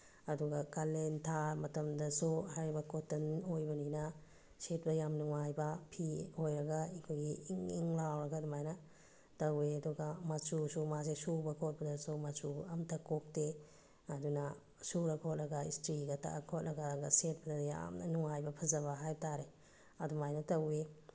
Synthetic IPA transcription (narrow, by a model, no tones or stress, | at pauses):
ɐduɡɐkalentʰamɐtɐmdɐsuhajɾibɐkotɐnojbɐninɐ | set̚bɐjamnuŋajbɐpʰihojɾɐɡaikʰojɡiŋiŋlawɾɐɡɐdumajnɐ | tɐɾweɐduɡɐmasusumazesubɐkʰot̚bɐdɐsumasuɐmtʰɐkok̚te | ɐdunɐ | suɾɐkʰot̚lɾɐɡɐistɾiɡɐtɐ̰ʔkʰot̚lɐɡaɡɐset̚bɐdɐja̰mnuŋajbɐpʰɐzɐβɐɦajtʰaɾe | ɐdumajnɐtɐwe